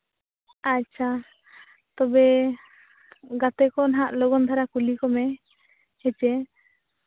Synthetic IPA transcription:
act͡ʃʰa | t̪ɔbɛ | ɡat̪ɛkɔnaɦaʔlɔɡɔnd̪ʱaɾakulikɔmɛ | hɛt͡ʃɛ

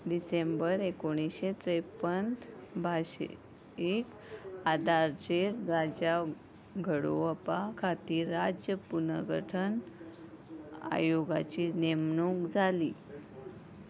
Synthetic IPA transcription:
ɖisembəɾekoɽ̃isɕet̪ɾepənt̪bʱaɕ | ek | ad̪aɾt͡ɕeɾɾad͡ʑa | ɡʱəɽo̰əpakʰat̪iːɾad͡ʑjəpunəɡʱə̰ʈʰən | a̰joɡa̰t͡ɕiːnemnukd͡zʱaliː

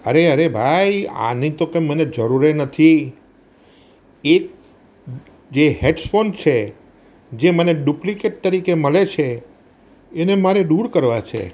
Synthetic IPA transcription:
əɾeəɾebʱaja̰nĩt̪okə̃məned͡ʒəɾuɾenət̪ʰi | e | d͡ʒeɦeʈsfont͡ʃʰe | d͡ʒeməneɖuplikeʈ̚t̪əɾikeməlet͡ʃʰeː | nemaɾeɖuɽkəɾʋat͡ʃʰḛ

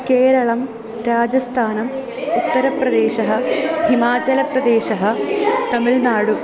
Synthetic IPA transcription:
keːɾɐɭɐm | ɾaːd͡ʑɐst̪ʰaːnɐm | ut̪ːɐɾɐprɐd̪eːɕɐɦɐhimaːd͡ʑɐlɐprɐd̪eːɕɐɦɐt̪ɐmilnaːɽu

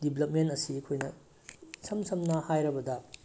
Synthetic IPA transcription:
dibʱlɐp̚menɐsiɐkʰojnɐ | sʰɐmsʰɐmnɐhajɾɐbɐdɐ

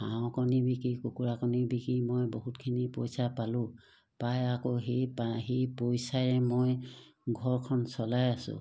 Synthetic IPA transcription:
hãw̃kɔnibikikukuɹakɔnibikɹimojboɦutkʰinipɔjsapalʊ̃ | pajakoɦepaɦepojsaɹɛmojɡʱɔɹkʰɔnsɔlajasʊ̰̃

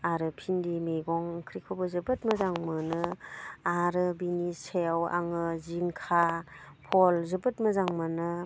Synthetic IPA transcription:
aɾɯpʰindimeɡɔŋkʰɾikʰobɯzɯbɯtməzaŋmɯnɯaɾɯbinisejawa̰ŋɯziŋkʰapʰɔlzɯbɯt̚mɯzaŋmanɯ

